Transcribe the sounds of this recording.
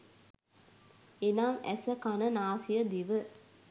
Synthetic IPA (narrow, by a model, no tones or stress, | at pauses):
enaːŋæ̰səkanənaːsijəd̪iʋə